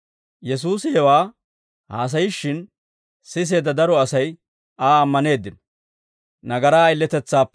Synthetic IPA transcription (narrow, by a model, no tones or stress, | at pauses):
jɛs̬uːsɪhɛwaː | haːs̬ɐjɪʃːɪn | sɪs̬e̞ːd̪ɐd̪ɐɾɔɐsɐj | aːɐmːɐne̞ːd̪ːɪnɔ̥ | nɐɡɐɾaːjɪlːɛt̪ɛt͡sːaːpː